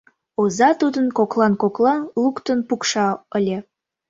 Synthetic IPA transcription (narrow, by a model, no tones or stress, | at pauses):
ozɑt̪ut̪ɤ̆nkoklˠɑnkoklˠɑlˠukt̪onpukʃɑə̆lʲe